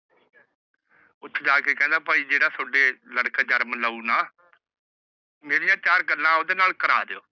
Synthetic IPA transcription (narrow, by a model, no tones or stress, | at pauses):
ʊt̪ʰːd͡ʒaːkeːkɛ̃ːnd̪aːpəːiːd͡ʒeːɽaːsʊɖeːləɽkaːd͡ʒəɾmləuːnaː | meːɾɪjãːt͡ʃaːɾɡəlːãːod̪eːnaːlkəɾa̰ːd̪eːo̰ː